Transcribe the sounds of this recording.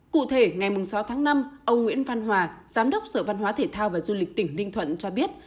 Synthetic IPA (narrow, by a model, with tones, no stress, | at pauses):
kṵ˧˨t̪ʰe˧˩ŋa˨˩jmu˨˩ŋ͡msa˨˦wt̪ʰaː˨˦ŋna˧mʔə˧wŋ͡mŋwḭ˧˥ənva˧nɦwaː˨˩zaː˨˦mɗə˦˥wk͡p̚səː˧˩va˧nɦwaː˨˦t̪ʰe˧˩t̪ʰaː˧wvaː˨˩zu˧lï˨˩k̟̚t̪ï˧˩ŋ̟lï˧ŋ̟t̪ʰwə̰˧˨nt͡ɕɔ˧ɓi˦˥ət̚